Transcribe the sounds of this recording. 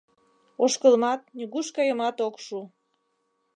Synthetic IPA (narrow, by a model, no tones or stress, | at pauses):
oʃkəlmɑt̪̚nʲyɣuʃkɑjəmɑt̪okʃu